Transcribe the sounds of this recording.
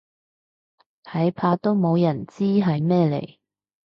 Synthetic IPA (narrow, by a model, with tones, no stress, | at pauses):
ɐ˨˥jpʰaː˧t̪o˥wmo˨˧wjɐ˨˩nt͡siː˥ɦɐ˨˧jmɛː˥lḛ˨˩j